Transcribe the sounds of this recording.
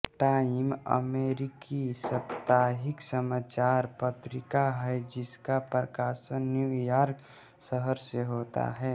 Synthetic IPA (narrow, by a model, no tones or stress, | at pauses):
ʈaːɪmə̰meːɾɪkisəpt̪aːɦɪksəmaːt͡ʃaːɾpət̪ɾɪkaɦɛd͡ʒɪskapɾəkaːsənːjuːjaːɾk | səɦəɾseɦoːt̪a̰ɦɛː